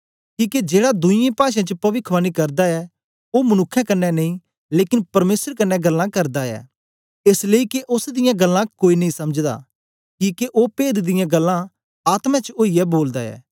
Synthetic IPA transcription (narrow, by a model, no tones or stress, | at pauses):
kiːked͡ʒeːɽad̪ʊɪ̃jẽpaːʃãt͡ʃəpɐʋɪkʰʋaːnikɐɾd̪aɛ | oːmɐnʊkʰːɛ̃kɐnːɛnɐĩ | leːkɪnpɐɾmeːsəɾkɐnːɛɡɐlːãkɐɾd̪aɛ̰ː | ɪsləikeʔʊsd̪ɪjãɡɐlːãkoːinɐĩsɐməd͡ʒd̪a̰ː | kiːkeʔoːpeːd̪d̪ɪjãɡɐlːã | aːt̪mɛ̃t͡ʃoːiɛboːld̪aɛ̰ː